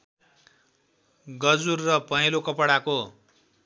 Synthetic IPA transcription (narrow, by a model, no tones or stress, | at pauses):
ɡʌd͡zurːʌpʌɦilokʌpɽako